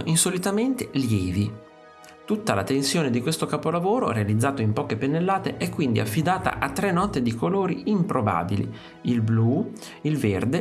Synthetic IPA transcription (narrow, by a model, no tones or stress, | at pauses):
insolit̪ament̪eljɛːvi | t̪ut̪ːala̰t̪ensjoːned̪ikwest̪okapolavoːɾo̰ɾealid̪zːaːt̪oimpɔːkepenːelːaːt̪eʔɛkːwind̪iafːid̪aːt̪a̰ʔat̪ːɾɛnːɔt̪ed̪ikoloːɾiimpɾoba̰ːbilḭ | ilblu | ilverd̪e